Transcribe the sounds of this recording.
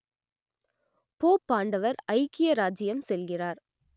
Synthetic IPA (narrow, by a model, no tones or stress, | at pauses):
poːpːaːɳɖɐʋɐɾɐɪkːɪjɐɾaːd͡ʒɪjɐmsɛlɣɪraːɾ